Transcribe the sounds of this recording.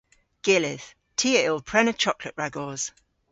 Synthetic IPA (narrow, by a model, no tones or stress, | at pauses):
ɡ̥ɪlɪθ | tʰiːəɪl̚ˠpʰɹ̥ɛnət͡ʃʰɒkləʔɹaɡɔːz̥